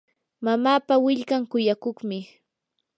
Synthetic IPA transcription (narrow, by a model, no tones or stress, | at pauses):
mamaːpawɪʎkaŋkʊjakoχmɪ